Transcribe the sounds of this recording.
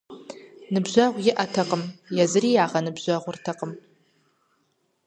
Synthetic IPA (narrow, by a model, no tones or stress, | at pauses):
nɨbʒʷɐʁʷɡʲɪʔɐtʰɐqʼəmjazɨriːjaːʁɐnɨbʑʷɐʁʷʊrtʰɐqʼəm